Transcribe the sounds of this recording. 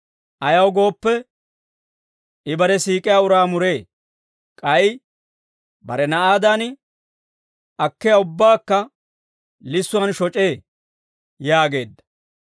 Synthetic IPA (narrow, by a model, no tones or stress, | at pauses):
ʔɐjɐwɡo̞ːpːɛ | ʔɪbɐɾɛsiːkʼɪjaːʊɾaːmʊɾe̞ː | kʼɐj | bɐ̰ɾɛnɐʔaːd̪an | ɐkːɪjɐʊbːaːkːɐ | lɪsːʊɐnʃɔt͡ʃʼe̞ː | jaːɡe̞̰ːd̪ːɐ̥